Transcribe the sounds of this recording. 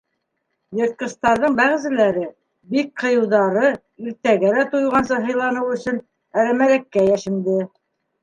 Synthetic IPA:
jɤ̆ɾt̪̚qɤ̆st̪ɑɾðɤɴbæʁ̆zɘ̆læɾɘ | bik̚qʰɤ̆jɤ̆wðɑɾɤ | iɾt̪æɡælæt̪ujʁɑnsɑɦɤ̆jlˠɑnɤwɵ̆sɵn | æɾæmæɾækːæjæʃɘ̆md̪ɘ

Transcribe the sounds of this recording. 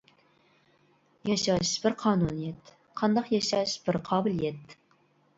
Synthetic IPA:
jɑʃɑʃb̥ɪɾqʰɑːnunijɛt̪ | qʰɑnd̪ɑqjɑʃɑʃb̥ɪɾqʰɑːbɨlijɛt̪

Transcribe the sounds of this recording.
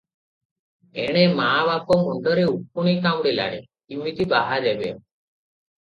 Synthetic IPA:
ḛɽ̃emaːbapɔmɔɳɖɔɾeupuɽ̃ikamɽela̰ɽ̃ḛkimit̪ibaɦaɾebḛɔ̰

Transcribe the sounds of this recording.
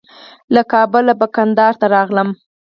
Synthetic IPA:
lakɑbʊlabakand̪ɑɾt̪aɾɑɣləm

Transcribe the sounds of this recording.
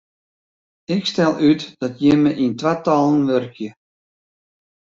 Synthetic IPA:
ɪkstɛlˠytd̥ɔtjəməʔintʋatɔlˠənʋørkʰjə

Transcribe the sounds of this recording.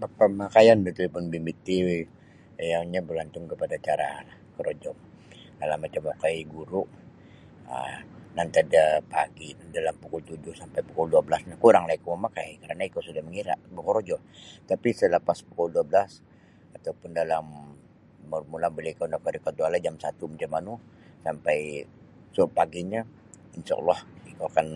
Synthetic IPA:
ppəmakajanbət̪uipʊnbimbit̪ːiw | jaɲabəlant̪ʊŋkəpadat͡ʃaɾa̰ | kəɾod͡ʒɔ | dalamːat͡ʃamːokajiɡuɾuʔ | ə̰nant̪adapa̰ɡidalampukult̪ud͡ʒʊhsampajpukulduablasnakuɾaŋlaikoməmakajkaɾanaikasudahməŋiɾa̰ʔbəhɔɾd͡ʒɔ | t̪apisələpaspu̥kulduabəlas | at̪awpʊndalamː | urmulaŋbəlaikanakaɾikaualad͡ʒamsat̪umat͡ʃamːanu | sampaj | supaɡiɲa | inʃa̰ʔɔ̰lːɔhikoakan

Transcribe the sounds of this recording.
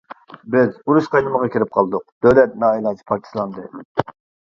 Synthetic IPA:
bɪzuɾuʃqʰɑjnɨməʁɑkʲiɾɪp̚qʰɑlˠd̪ʊq̚d̪̥ølɛt̪̚nɑːilˠɑnt͡ʃʰi̥pʰɑɾt̪ʰi̥slˠɑnd̪ɨ

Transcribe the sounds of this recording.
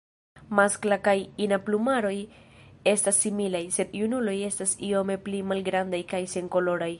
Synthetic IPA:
masklakajinaplumaɾo̞je̞stasːimilajse̞d̪junulo̞je̞stasio̞me̞plimalɡɾandajkajse̞ŋko̞lo̞ɾaj

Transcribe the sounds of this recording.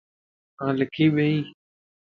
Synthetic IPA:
ãːlɪkʰiːɓẽːĩː

